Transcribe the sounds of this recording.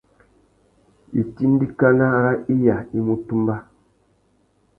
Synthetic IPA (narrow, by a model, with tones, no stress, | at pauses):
i˨ti˦n˦di˦ka˦na˦ɾa˦i˦ja˨i˦mu˦tu˦mba˦